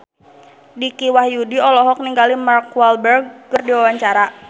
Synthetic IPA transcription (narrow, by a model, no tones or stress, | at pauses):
dikiwahjudiɔlɔɦɔk̚niŋɡalimarkwalbərɡ̚ːərdiwawaɲt͡ʃaɾa